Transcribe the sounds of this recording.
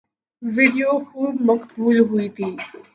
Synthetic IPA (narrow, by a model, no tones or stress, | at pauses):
ʋɪɖijoxuːbmɐqbuːlɦʊit̪ʰiː